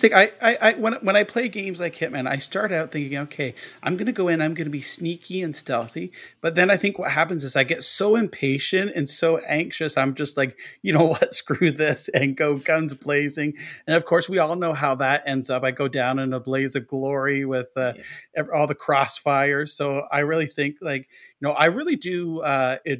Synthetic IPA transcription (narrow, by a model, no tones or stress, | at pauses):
θɪ̃kaɪaɪʔaɪwə̃nwə̃ɾ̃aɪpʰl̥eɪɡẽɪ̃mzlaɪkhɪt̚mɨ̃na̰ɪstɑɹɾɾaʊt̪̚θɪ̃ŋkɪ̃ŋoʊkʰeɪʔãɪ̃mɡʌnɨɡoʊɨ̃nãɪ̃mɡʌnɨbisnikʰiɨ̃nstɛlˠθib̥ʌt̪̚ðɨ̃naɪθɪ̃ŋkwʌt̚ɦæpɨ̃nzɨzaɪɡɛtsoʊɨ̃mpʰeɪʃɨ̃ntɨ̃nsoʊʔæ̃ŋkʃɨsãɪ̃md͡ʒʌst̚ˡlaɪkjɨnoʊwʌtskɹʉðɪsɨ̃nɡoʊɡʌ̃nzbleɪzɪ̃ŋɨ̃nʌv̥kʰɔɹswiɔlˠnoʊɦaʊðəɾɛ̃ndzʌpaɪɡoʊdãʊ̃nɨ̃nbleɪzɨɡlɔɹiwɪð̥ʌɛvɔlˠðɨkʰɹ̥ɔsfaɪə̥˞soʊa̰ɪɹɪlˠiθɪ̃ŋklaɪk | jɨnoʊʔaɪɹɪlˠidɨʌɪ